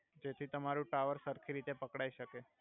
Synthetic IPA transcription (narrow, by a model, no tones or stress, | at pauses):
d͡ʒet̪ʰit̪əmaɾũʈaʋəɾsəɾkʰiɾit̪epəkɽaiʃəke